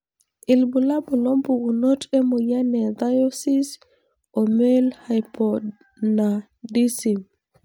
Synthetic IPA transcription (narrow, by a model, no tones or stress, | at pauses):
ʔilbulabulombuʔunotɛmojanɛdajosis | ɔmɛlhajpɔd | na | disim